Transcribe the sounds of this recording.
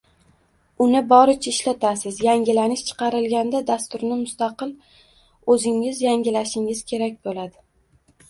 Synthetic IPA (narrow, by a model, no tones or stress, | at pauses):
ʊnɪbɒɾɪt͡ʃʰaɪʃlat̪ʰasɪzjaŋɡʲɪlanɪʃt͡ʃʰɨ̥qʰɑɾɪlɡʲand̪ad̪ast̪ʊɾnɪmʊst̪ɑqɨl | ɵzɪŋɪzjaŋʲɪlaʃɪŋɪz̥kʲʰe̞ɾak̚ʲbolad̪ɪ